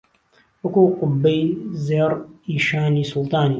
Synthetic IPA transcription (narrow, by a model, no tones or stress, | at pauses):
wɐkuːqʊbːejlzeːɾiːʃaːniːsʊlˠt̪ɑːniː